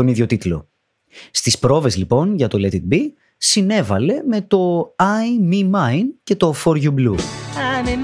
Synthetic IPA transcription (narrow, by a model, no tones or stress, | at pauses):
o̞niðʝo̞t̪it̪lo̞̰ | st̪ispɾo̞vezlipo̞nʝɐt̪o̞let̪it̪̚bi | sine̞vɐle̞me̞t̪o̞ɐjmimɐjnce̞t̪o̞fo̞ɾʝubluni